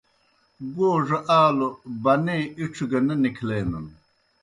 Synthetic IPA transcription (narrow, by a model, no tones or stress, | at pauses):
ɡoːʐɐʔaːlobɐneːiʈ͡ʂʰiɡɐnɐnikʰleːnɐn